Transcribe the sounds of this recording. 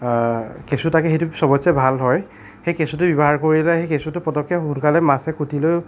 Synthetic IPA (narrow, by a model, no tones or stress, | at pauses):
kesutakɛxejtusɔbɔsɛbʱalɦɔj | xejkesut̬ʊbibɔɦaɹkoɹilɛxejkesutʊpɔtɔkʰːjɔhunkalɛmasɛkʰutʰilo